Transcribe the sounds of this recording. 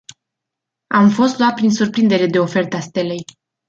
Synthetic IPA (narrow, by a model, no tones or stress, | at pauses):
amfo̞st̪loat̪̚pɾinsurpɾind̪e̞ɾe̞d̪e̞o̞fe̞rt̪əast̪elej